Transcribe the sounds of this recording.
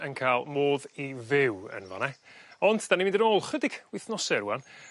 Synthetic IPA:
ənkʰaːlˠmoːðivɪwə̰nva̰nɛɔndd̥animɪ̃ndənoːlˠχədɪɡ̥wɪθnɔsɛɾuwan

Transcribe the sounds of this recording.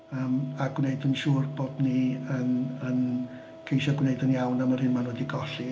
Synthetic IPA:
əːmaɡwneɨdənʃuːrbodniənən | kʰejʃɔɡwneɨdənjawnamərhɪnmanwɛdiɡɔɬi

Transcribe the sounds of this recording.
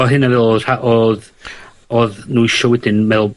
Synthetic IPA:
ɔɦɨnavɛlˠr̥aʔɔð | oːðnuiʃɔwɛdɪnmɛlˠ

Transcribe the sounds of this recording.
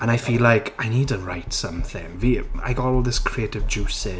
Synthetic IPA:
ə̃ñaɪfiːlaɪkʰaɪniːd̚tʰəɹaɪtsʌ̃mθɪ̰̃ŋvia̰ɪɡɔtɔlˠðɪskʰɹ̥ietɪvd͡ʒʉsɪ

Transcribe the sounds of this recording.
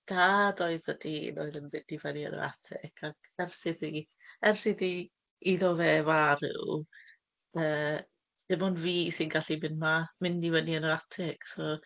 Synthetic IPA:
d̥aːdoɨðvədino̰ɨðənvɪndivəniə̰nɔ̰ɾa̰tʰɪ̰kʰaɡ | ɛrsɪði | ɛrsɪði | iðɔvɛːvaɾɪ̰w | əː | d̥ɪmɔnviːsɪnɡaɬimɪnmamɪndivəniənɔɾatʰɪksɔ

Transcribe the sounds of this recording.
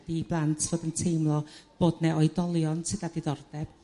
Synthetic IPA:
diblˠantʰv̥oːdəntʰejmlˠɔb̥oːdnɛʔɔjdɔlˠjɔnsɨdadiðɔrdɛb̥

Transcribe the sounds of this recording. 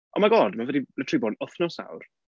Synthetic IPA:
ʔɔmaɡɔːdmavədilətʰribɔnɔθnɔsa̰wr

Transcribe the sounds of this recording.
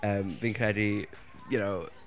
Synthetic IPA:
ʌ̃mvɪ̃ŋkʰɹɛɾi | jɨnoʊ

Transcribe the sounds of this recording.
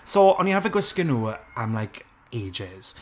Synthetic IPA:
soʔɔnjəhavəɡwɪskənuːamlajkʰ | eːd͡ʒɪz̥

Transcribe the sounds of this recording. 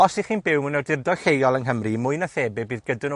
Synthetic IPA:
ɔsiχiːnbɪwmʊnɛdɪrdɔɬejɔlˠənɦəmrimʊɨnaθeːbɪbiːðɡədɨno

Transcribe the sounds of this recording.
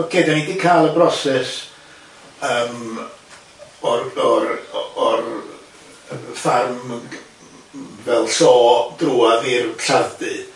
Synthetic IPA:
ɡ̥ʰedanidikʰajlˠəbrɔsɛs | əːm | ɔrɔɾɔɾ | farm | vɛlˠsɔːd̥ruaðirɬavdɨ

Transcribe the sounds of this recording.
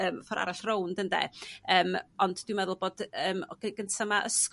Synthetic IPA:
əːmfɔɾa̰ɾaɬrowndəndḛəːmɔndd̥wɪmɛðʊlˠboːd̥əːmɡ̥əɡəntʰamaʔəsk

